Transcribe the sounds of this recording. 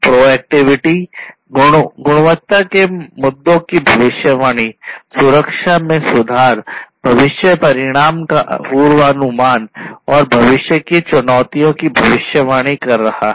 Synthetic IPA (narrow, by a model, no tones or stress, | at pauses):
pɾoːɛːk̚ʈɪʋɪʈi | ɡʊɡʊɽ̃ʋət̪ːakemʊd̪ːõkibʱɐʋɪʃjəʋaːɽ̃isʊɾəkʃamẽsʊd̪ʱaːɾb̥ʱɐʋɪʃjəpɐɾɪɽ̃aːmkaʔpuːɾʋaːnʊmaːnɔːɾbʱɐʋɪʃjəkit͡ʃʊnɔːt̪ijõkibʱɐʋɪʃjəʋaːɽ̃ikɐɾːɐha̰